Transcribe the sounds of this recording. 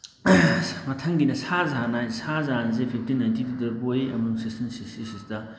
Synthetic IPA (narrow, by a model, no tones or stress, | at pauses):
mɐtʰɐŋɡinɐsazanajsazanzepʰip̚ʰtinajntididɐɾbojiɐmɐuŋsistɐnsisisistɐ